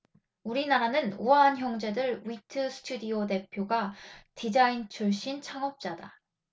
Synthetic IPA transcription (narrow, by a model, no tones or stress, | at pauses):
uɾinaɾanɯnuaːnçjʌŋd͡ʑe̞dɯɭwitʰɯsʰɯ̥tʰudiode̞pʰjoɡatid͡ʑaint͡ɕʰuɭɕ͈int͡ɕʰaŋʌp̚t͡ɕ͈ada